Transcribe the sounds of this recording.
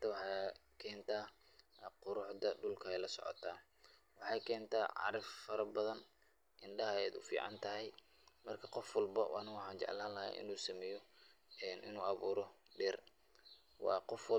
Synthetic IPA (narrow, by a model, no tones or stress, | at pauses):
t̪ʰɐwɑħɑ | kʰɛːnt̪ʰaː | qʊɾʊħd̪ɐɖʊlkʰɐɛjlɐsɔ̰ʕɔ̰t̪ʰaː | wɑħɑːjkʰɛːnt̪ʰaːʕɑ̰ɾɪffɐɾɐbɐðɐn | ʔɪnɖɐɦɐɛːd̪ʊ̰fḭːʕɑ̰nt̪ʰɐɦɛj | mɐrkʰɐqɔfwɐlbɐwʔa̰nɐwɑħɑːnt͡ʃɛ̰ʕlaːlːɐɦɛ̰ʔɪ̰nuːsɐmɛjɔɛnʔɪ̰nuːʔɑβuːɾɔ | ɖɛːr | wɑ̰ːqɔfw